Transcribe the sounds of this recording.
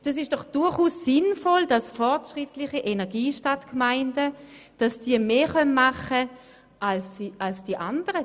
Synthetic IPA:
d̥ɑs̬ɪʃd̥ɔχd̥ʊɐχuːsːɪnfɔldɑsfɔɐtʃʁɪtlɪχiʔenɛɐɡiːʃtatkmaɪndə | d̥ɑsd̥iːɐmeːχœnmaχə | ʔalsʔalsd̥iʔand̥əʁə

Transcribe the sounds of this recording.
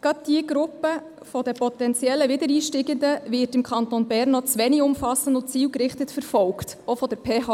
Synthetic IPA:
ɡ̥ɑt̚d̥iəɡ̥ɾʊpːə | fɔdəpɔtɛnt͡sjɛlːəʋɪdəɾiːʃtɪɡəndəʋɪɾtɪmkʰɑntonbærnːɔt͡sʋɛnɪɡʊmfɑsən̩dʊnt͡siːlkɾɪχtətfəɾfɔlktofɔd̥əɾpʰeːɑ

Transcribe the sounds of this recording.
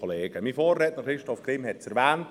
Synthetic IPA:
ɔleːɡ̥əmiːfoːrːɛtnəχɾɪʃtɔfɡ̥ɾɪmhɛtt͡sɛɾʋæːnt

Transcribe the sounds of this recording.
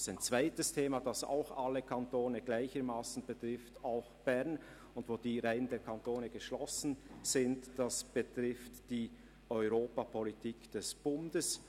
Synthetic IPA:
saɪnt͡sv̥aɪtəstʰeːmadasa̰ʊxaləkʰantoːnəɡlaɪçəɾmaːsn̩bətʁ̥ɪftaʊxb̥ɛʁn | ʊndvoːdiːʁaɪəndeːɐkʰantoːnəɡ̥əʃlɔsn̩z̥ɪntd̥asb̥ətʁɪftd̥iː | ɔʏʁoːpapʰɔlitʰiːkd̥ɛsb̥ʊndəs

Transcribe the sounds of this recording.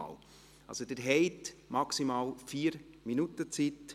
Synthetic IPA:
l | ɑ̰lsod̥əɾɦɛɪtmɑksimaːlfiːɾminutət͡sit

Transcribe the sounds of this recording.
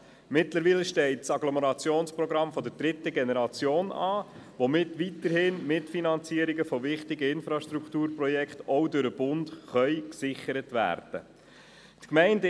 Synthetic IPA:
mɪtləɾʋiːləʃtɛɪt̚t͡sɑɡlɔməɾɑt͡sjoːnspɾɔɡɾɑmfɔd̪əɾd̥ɾɪtəɡɛnɛɾɑt͡sjoːnɑː | ʋomɪtʋitəɾhɪnmɪtfinɑnt͡siəɾiɡəfɔvɪχtɪɡəɪnfɾɑʃtɾuktuːɾprɔjɛkχtɔdøɾəb̥ʊnt̪χœʏksɪχəɾətʋæ̰ːɾd̥ə̰ | tkmɛɪnd

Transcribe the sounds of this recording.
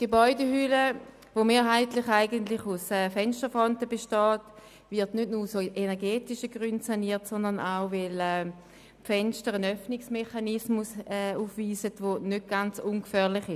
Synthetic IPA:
ɡ̥ebɔʏdehylə | vomeːɐɦaɪtlɪχaɪɡəntlɪχusɛːfɛnstəfɔntəbeʃtɔːt | vɪɐtnøtnuːʁsoːʔenɛɐɡeːtɪʃəɡʁyntsaniːɐtsɔndənaʊvɛlɛː | pfɛnʃtəʁənœfnɪksmeχanɪsmusɛːuːfviːsətvonøt̚ɡ̥ant͡sunkfœːɐʁlɪχɪ

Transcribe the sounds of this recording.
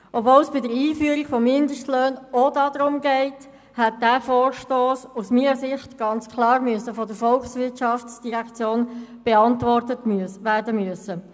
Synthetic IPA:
ʔɔbvoːlsb̥ɪdəɾiːfyːəɾiɡfɔmːɪndəʃtløːnodɑdɾʊmɡɛɪt | hɛt̚d̥æːfoːɾʃtoːsusmiːəsɪχtɡ̥ɑnt͡skʰlɑːɾmyəsəfɔdəɾfɔlksʋɪtʃɑfsd̥iʁækt͡sjoːnb̥ɛɑntʋɔrtətʋæːɾdəmyəsə

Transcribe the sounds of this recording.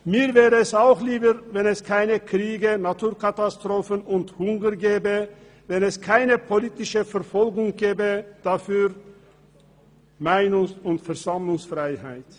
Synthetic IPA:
miːɐvɛːʁəɛsaʊxliːbəvɛnɛskʰaɪnəkʁ̥iːɡənatʰuːɐkatastʁ̥oːfənʊnthʊŋɡəɡeːbə | vɛnɛskʰaɪnəpʰoliːtɪʃəfɛɐfɔlɡʊŋɡeːbəd̥afyːʁ | maɪnʊŋsʊntfɛɐzamlʊŋsfʁ̥aɪhaɪt

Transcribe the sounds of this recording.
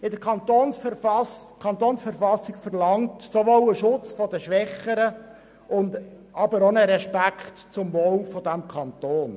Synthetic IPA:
ɪdəkʰɑnt̪oːns | kʰɑnt̪oːnsfəɾfɑsɪɡfərlɑŋtsoʋoːwəʃʊt͡sfɔdəʃʋɛχːəɾə | ʊnd | ɑbəɾonəɾɛʃpækχtt͡sʊmvoːwfɔdæmkʰɑnt̪oːn

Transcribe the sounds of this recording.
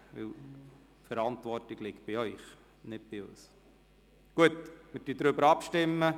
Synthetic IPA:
ʋɪ̰l | fəɾɑntvɔrtɪɡ̥lɪkt̚b̥ɪœʏχ | nɪt̚b̥ɪɔs | ɡ̥uətmɪtd̥idɾʏbəɾɑpʃtɪmːə

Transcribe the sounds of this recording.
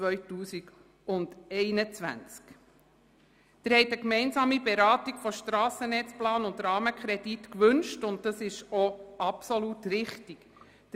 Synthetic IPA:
ʋœɥtuːsiɡ | ʊndɛɪnət͡sʋæ̰nt͡sk | t̪ɪɾhɛɪt̪əkmɛɪnsɑːmibeɾɑːtiɡ̥fɔʃtɾɑːsənɛt͡splɑːnʊnd̪ɾɑːməkʰχɾɛd̥itkʋɵnʃtʊnt̚dɑsɪʃoʔɑpsolutɾɪχtik

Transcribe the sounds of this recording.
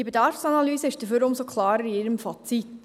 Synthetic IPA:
ibedɑɾfsɑnɑlyːzəɪʃd̥əføɾʊmsokʰlɑːɾəɾiɪɾəmfɑt͡sit̪

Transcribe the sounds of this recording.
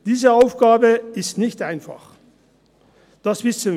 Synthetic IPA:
d̥iːzəaʊfɡ̥aːbəɪstnɪçtʔaɪnfa̰χ | d̥asv̥ɪsən

